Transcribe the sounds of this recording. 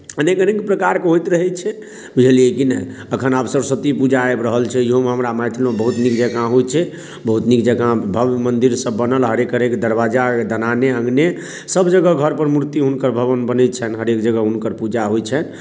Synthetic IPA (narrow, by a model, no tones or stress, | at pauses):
ənekənekpɾəkaɾkeɦojt̪ɾəɦɛt͡ʃʰɛ | bud͡ʒʱəliekinɛ | əkʰənabsəɾsət̪ipud͡ʒaebɾəɦəlt͡ʃʰɛiɦomeɦəmɾamajt̪ʰlũbəɦut̪nikd͡ʒəɡãɦojt͡ʃʰɛ | bəɦut̪nikd͡ʒəɡãbʱəbmənd̪iɾsəbːənəlɦəɾekɦəɾekd̪əɾbad͡ʒad̪ənaneəŋɡne | səbd͡ʒəɡəɡʱəɾpəɾmuɾt̪iɦunkəɾbʱəβənbənɛt̚t͡ʃʰɛnɦəɾekd͡ʒəɡəɦunkəɾpud͡ʒaɦojt͡ʃʰɛn